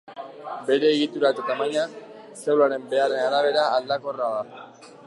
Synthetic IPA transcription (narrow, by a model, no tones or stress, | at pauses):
be̞ɾe̞ːɣit̪uɾat̪et̪amaɲak | sewlaɾe̞mbe̞are̞naɾaβ̞e̞ɾaːld̪ako̞raða